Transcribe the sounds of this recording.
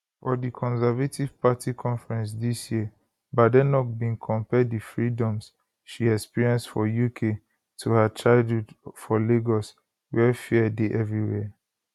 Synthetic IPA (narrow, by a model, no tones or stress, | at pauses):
fɔdikʰɔ̃nsɛvativ̥patʰikʰɔ̃nfɹɛ̃ns̬disjiə | badɛnɔk̚bĩnkʰɔ̃mpɛdifɹidɔ̃ms | ʃiɛkspiɹiɛ̃nstfɔjukʰe | tʰuhat͡ʃaɪdudfɔleɡɔs | wɛfiɛdeʔɛvɹiwɛ